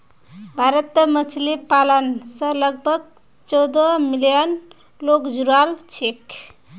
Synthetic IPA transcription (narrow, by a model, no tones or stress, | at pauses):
bʱaɾət̪ːmət͡ʃʰlipalənsə̃ləɡ̚bʱəɡ | t͡ʃɔwd̪əmilijən | lokd͡ʒuɾalt͡ʃʰek